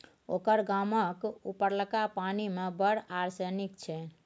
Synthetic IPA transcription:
o̰kəɾɡaməkupəɾləkapanimebəɽaɾsenikt͡ʃʰɛ

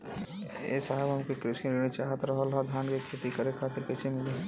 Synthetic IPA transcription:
ḛːsəɦəbɦɐmkekɾɪʃiɾiñit͡ʃaːɦət̪ɾɐɦəlɦad̪ʱjaːnkekʰeːt̪ikəɾekʰaːt̪ɪɾpɛːt͡ʃʰemɪleɦ

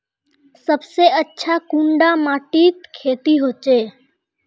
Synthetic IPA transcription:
səbseətːʃʰakũɳɖamãːʈiːt̪kʰeːt̪iɦoːt͡ʃeː

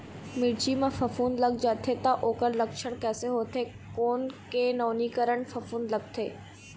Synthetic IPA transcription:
mɪɽd͡ʒimẽfɐfuːnlɐɡd͡ʒaːt̪ʰet̪aʔoːkəɾlɐkʃəɽ̃kɛːseɦoːt̪ʰe | koːnkenɔːnikəɾəɳfɐfuːnlɐɡ̚t̪ʰeː

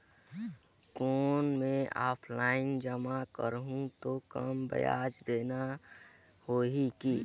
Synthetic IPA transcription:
koːnmẽaːpʰlaːɪnd͡ʒəmakəɾɦũt̪okəmbə̰ja̰ːd͡ʒd̪eːna | hoːɦiki

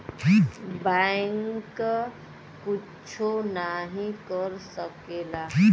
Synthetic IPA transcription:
bajŋk | ku | t͡ʃʰonaɦĩkəɾsəkela

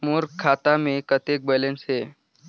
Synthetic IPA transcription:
moɾkʰat̪amekət̪ek̚bɛlensɦe

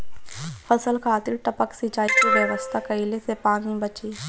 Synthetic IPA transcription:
fʰɐsəlkʰaːt̪ɪɾʈɐpəksit͡ʃaːikiʋjeʋəst̪ʰakɐilesepaːnĩbət͡ʃiː

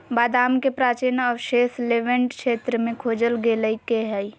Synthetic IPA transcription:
baːd̪aːmkepɾaːt͡ʃinɔʋʃeːsleːʋə̃ɳʈkʃeːt̪ɾəmẽkʰoːd͡ʒəlɡeːləikeɦɛi

